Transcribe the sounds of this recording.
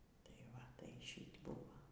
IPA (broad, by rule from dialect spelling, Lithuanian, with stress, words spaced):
tɐɪ ˈʋɐ ˈtɐɪ ˈʃʲiːtʲ ˈbuːʋoː